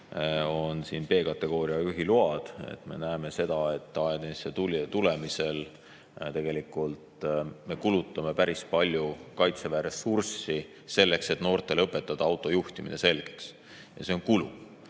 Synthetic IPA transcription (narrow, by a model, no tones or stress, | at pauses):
o̞nsiːnpe̞ːkɑt̪ːˑe̞ɡ̥o̞ːɾiɑyɦiluɑd̪̥ḛt̪me̞̰næeme̞se̞d̪̥ɑe̞t̪ːˑɑed̪enst̪ːet̪ult̪ule̞mise̞l | t̪e̞ɡ̥e̞likːˑult̪me̞kulut̪ːˑɑme̞pæɾispɑlʲjukɑjt̪sevæːɾesursi | se̞lːe̞kse̞t̪no̞ːrt̪ːˑe̞lɤpːˑe̞t̪ːˑɑd̪̥ɑɑwt̪ːˑo̞juht̪imḭne̞se̞lɡ̥e̥ks | jɑseo̞nkulṵ